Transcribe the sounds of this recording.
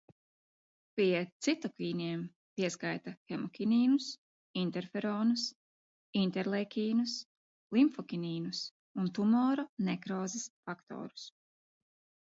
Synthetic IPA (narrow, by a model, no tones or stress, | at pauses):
pʲit̪sit̪ɔkiːnʲiɛm | piɛskajt̪axɛmɔkʲiniːnus | int̪ɛɾfɛɾɔːnus | int̪ɛɾlˠekʲiːnus | lˠimfɔkʲiniːnus | unt̪umɔːɾɔnɛkɾɔːzisfakt̪ɔ̰ːɾu̥s